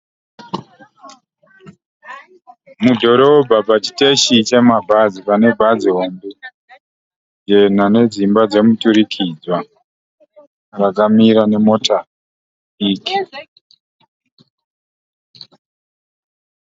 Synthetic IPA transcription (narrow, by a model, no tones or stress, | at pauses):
mudʱo̞ɾo̞bʱapat͡ʃi̥te̞ʃit͡ʃe̞mabʱazipane̞bʱaziɦo̞mbe | d͡ʒe̞n̤ane̞d͡zimbad͡ze̞mutuɾikʰid͡zwa | rakamiɾane̞mo̞tʰa | iːki̥